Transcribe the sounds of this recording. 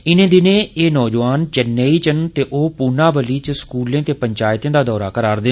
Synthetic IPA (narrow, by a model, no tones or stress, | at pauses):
ɪnẽːd̪ɪnẽːeːnɔːd͡ʒʋaːnt͡ʃənːeːiːt͡ʃənt̪eːʔoːpʊnaːʋəliːt͡ʃskuːlẽːt̪eːpəɲt͡ʃaːjt̪ẽːd̪aːd̪ɔːɾaːkəɾaːɾd̪ɪ